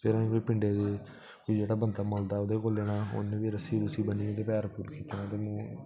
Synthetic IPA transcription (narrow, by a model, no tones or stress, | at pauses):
peːɾãːoːpɪɳɖeːd̪eː | ʋiːd͡ʒeːɽaːbənd̪aːmoːld̪aːod̪eːkoːleːɽãːo̰nẽːʋiːɾəsiːt̪ʊsiːbəniːẽːt̪eːpɛːɾpulkiːt̪eːnãːt̪eːmũː